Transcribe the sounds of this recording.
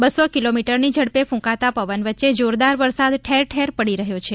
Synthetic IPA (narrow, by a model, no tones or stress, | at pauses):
bəsokilomiʈəɾnid͡ʒəɽpefũkat̪apəʋənʋətːʃed͡ʒoɾd̪aɾʋəɾsad̪ʈʰeɾʈʰeɾpəɽiɾəɦjot͡ʃʰe